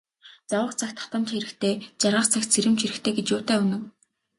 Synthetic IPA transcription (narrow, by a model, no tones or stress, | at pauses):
t͡sawə̆χt͡sʰaxt̪ʰḁt̪ə̆mt͡ɕ̪χeɾɘ̆kt̪ʰeːt͡ɕarʁə̆χt͡sʰakt͡sʰeɾɘ̆mt͡ɕʰiɾɘ̆kxt̪ʰeːɡet͡ɕjʊːt̪æːunɘ̆w